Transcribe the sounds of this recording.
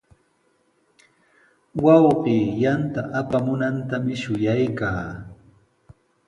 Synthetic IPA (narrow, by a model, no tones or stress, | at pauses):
wɑwɢiːjant̪aʔapamʊnant̪amɪʃʊjajkaː